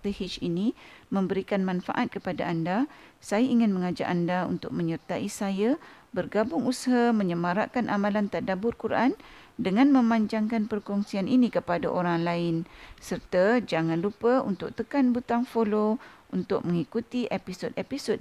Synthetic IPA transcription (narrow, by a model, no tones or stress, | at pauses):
t̪əhit͡ʃinimə̃mbəɾikanmãnfa̰ʔat̪̚kəpada̰andasajaiŋɪnmə̃ŋad͡ʒa̰ʔandaṵnt̪ʊk̚mə̃ɲərt̪aʔisaja | bərɡabʊŋusaɦamə̃ɲəmaɾaʔkanʔamãlant̪adabʊrkuɾʔan | dəŋãnmə̃mãɲd͡ʒaŋkanpərkɔŋsianʔinĩkəpadaʔoɾaŋlaɪnsərt̪ad͡ʒaŋãnlupəṵnt̪ʊk̚t̪əkanbut̪aŋfolount̪ʊ̰k̚mə̃ŋikut̪iʔepisodepisod̚